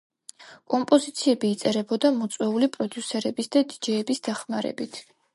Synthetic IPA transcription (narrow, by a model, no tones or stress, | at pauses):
kʼɔmpʼɔzit̪sʰiɛbiːt̪sʼɛɾɛbɔd̪amɔt̪sʼwɛulipʼɾɔd̪jusɛɾɛbisd̪ad̪id͡ʒɛːbisd̪aχmaɾɛ̰bit̪ʰ